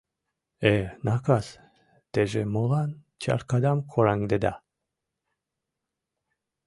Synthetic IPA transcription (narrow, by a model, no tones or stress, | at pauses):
ɛnakas | d̪̥ɛʒɛmolˠan | t͡ʃʰa̰ɾkad̪amkʰoɾaŋd̪ed̪a̰